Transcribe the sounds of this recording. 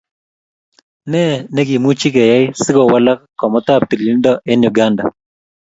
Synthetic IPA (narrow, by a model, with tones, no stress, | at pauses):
nɛ˦nɛ˦ɡi˨mu˦t͡ʃi˦kɛ˨ja˦ɪ˦sɪ˦kɔ˨wa˦la˦kkːɔ˨mɔ˦t̪a˦˨pi˨li˦ndɔ˦ʔe˦nju˨ɡa˦nda˨